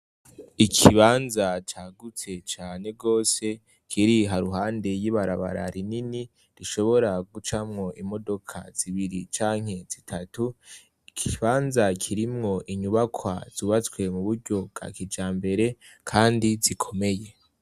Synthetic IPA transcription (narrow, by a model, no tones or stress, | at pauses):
ikʰiβaːnzat͡ʃaːɡut͡se̞t͡ʃaːne̞ɡo̞ːse̞ | kʰiɾiɦaɾuɦaːnde̞jiβaɾaβa̰ɾa̰ɾinini | ɾiʃo̞βo̞ɾaɡut͡ʃamŋo̞imo̞do̞kʰa̰z̥iβiɾit͡ʃaːŋ̥he̞z̥itʰatu | ikʰiβaːnzakʰiɾimŋo̞ʔiɲuβakʰwa̰z̥uːβat͡swe̞muβuɾɟo̞bɡ̥a̰kid͡ʒaːmbe̞ɾe̞ | kʰaːndizikʰo̞me̞je̞